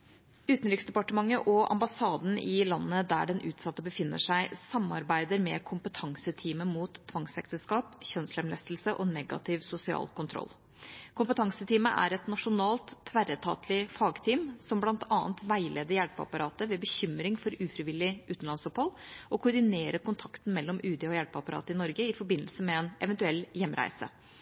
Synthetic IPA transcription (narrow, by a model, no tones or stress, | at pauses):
ʉːt̪n̩ɾɪksd̪ɛpɑʈəmɑŋːəʔɔʔɑ̰mbɑsɑːd̪n̩ɪlɑnːəd̪æ̰ɖɛnʔʉːt̪sɑt̪ːəbəfɪnːə̰ʂæɪsɑmːɑ̰ɾbæɪd̪əɾmɛ̰kʰʊmpət̪ʰɑŋsət̪ʰiːməmuːt̪ʰːʋɑŋsɛkt̪əskɑːpçœnslɛmlɛst̪l̩səʔɔnɛɡɑ̰t̪ʰɪʋsʊsɪɑ̰ːlkʊnt̪ʰɾɔ̰lː | kʰʊmpət̪ʰɑŋsət̪ʰiːməʔæ̰ɾɛt̪nɑʂʊnɑːlt̪ʰːʋæɾət̪ʰɑ̰ːt̪ʰlɪfɑːɡt̪ʰiːmsɔmblɑnt̪ʰɑːnt̪ʋæɪlʔeːd̪əjæɽpɑ̰pɑɾɑːt̪əʋɛbəçʏmɾɪŋfɔɾʉːfɾɪʋɪlɪʔʉːt̪n̩lɑnsɔphɔlɔkʰʊɾɖ̪ɪneːɾəkʊnt̪ʰɑkt̪n̩mɛlːɔmʔʉːd̪ɛɔjæɽpɑpɑɾɑ̰ːt̪əɪnɔɾɡəɪfɔɾbɪnːəlsəmɛɛnɛʋɛnt̪ʉɛlːjɛmːɾæ̰ɪsə̰